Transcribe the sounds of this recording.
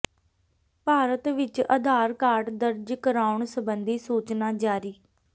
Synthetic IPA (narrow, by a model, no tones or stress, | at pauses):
paːɾət̪ʋɪt͡ʃə̰d̪ʱaːɾkaːɾɖd̪əɾd͡ʒkəɾaːʊɳsəbənd̪iːsuːt͡ʃnaːd͡ʒaːɾiː